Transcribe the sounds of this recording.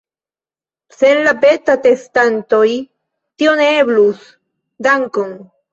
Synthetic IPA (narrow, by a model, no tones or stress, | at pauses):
senlapet̪at̪est̪ant̪oj | t̪ioneβlus | d̪aŋkoŋ